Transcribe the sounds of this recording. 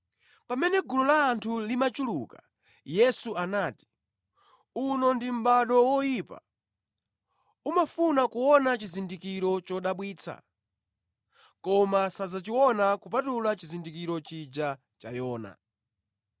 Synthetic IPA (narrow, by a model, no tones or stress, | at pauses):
pamɛnɛɡulɔlaːntʰulimat͡ʃuluka̰ | jɛsuanaːti̥ | unɔndim̩ɓaɗɔwɔjipa̰ | umafunakuwɔnat͡ʃizindikiɾɔt͡ʃɔɗaɓwiːt͡sʰa̰ | kɔmasazat͡ʃiwɔnakup̬atulat͡ʃizindikiɾɔt͡ʃid͡ʒa | t͡ʃa̰jɔːna̰